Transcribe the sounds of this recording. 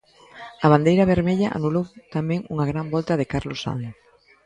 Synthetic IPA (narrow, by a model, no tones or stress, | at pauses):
ɐβ̞and̪ejɾɐβ̞eɾmeʎɐʔa̰nulowt̪amɛ̃ŋuŋaɣɾambɔlt̪ɐðɪkaɾlosa̰nθ